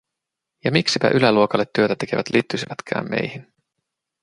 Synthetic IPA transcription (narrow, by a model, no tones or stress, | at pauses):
jɑmiksipæ̰ʔylæluokɑlːet̪ːyøt̪æt̪e̞ke̞ʋæt̪liːt̪ːysiʋæt̪kʰæ̰ːmːe̞jhin